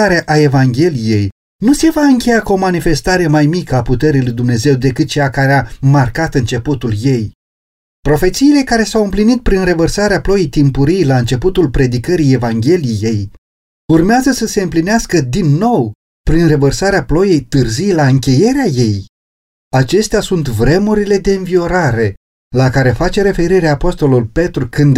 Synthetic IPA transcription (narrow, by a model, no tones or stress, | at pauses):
aɾeaʔae̞vaŋɡʲe̞lije̞j | nuse̞vaɨŋkʲe̞jakuo̞manife̞st̪aɾe̞majmikəaput̪e̞ɾilujd̪umne̞ze̞wd̪e̞kɨt̪̚t͡ʃeakaɾeamarkat̪ɨnt͡ʃe̞put̪ulje̞j | pɾo̞fe̞t̪siːle̞kaɾe̞sawɨmplinit̪̚pɾinre̞vərsaɾeaplo̞jejt̪impuɾijlaɨnt͡ʃe̞put̪ulpɾe̞d̪ikəɾije̞vaŋɡʲe̞lije̞j | urmeazəsəse̞ɨmplineaskəd̪inːo̞w | pɾinre̞vərsaɾeaplo̞je̞jt̪ɨrzijlaɨŋkʲe̞je̞ɾeaje̞j | at͡ʃe̞st̪easunt̪vɾe̞muɾile̞d̪e̞ɨnvio̞ɾaɾe̞ | lakaɾe̞fat͡ʃe̞ɾe̞fe̞ɾiɾeapo̞st̪o̞lulpe̞t̪ɾukɨnd̪